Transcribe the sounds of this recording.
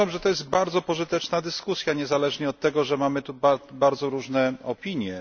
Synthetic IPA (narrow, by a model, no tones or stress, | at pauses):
amʐɛt̪ɔjɛst̪̚baɾd̪zɔpɔʐɘt̪ɛt͡ʂnad̪ɘskusʲjaɲɛzalɛʐɲɛɔt̪ːɛɡɔʐɛmamɘt̪ubabaɾd̪zɔɾuʐnɛɔpʲiɲjɛ